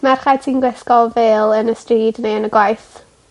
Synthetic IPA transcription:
marχajtʰiːnɡwɛskɔvɛːlˠənəstriːdnejənəɡwajθ

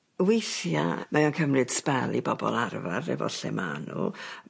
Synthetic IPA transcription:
wejθjamaɔnkʰəmrɨd̥spɛlˠibɔbɔlˠarvarɛvɔ̰ɬɛma̰nʊ̰lˠ

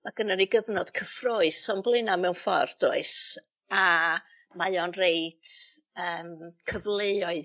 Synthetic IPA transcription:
maɡ̥ənaɾiɡəvnɔd̥kʰəfroːɨsɔmblˠɨnamɛwnfɔ̰rd̥ʊɨs | a | majɔnreɨd̥ | əːmkʰəvlˠejɔɨ

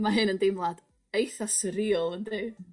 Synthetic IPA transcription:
maɦɨnəndɪmlˠad | ejθasəɾiːɔlˠəndɨː

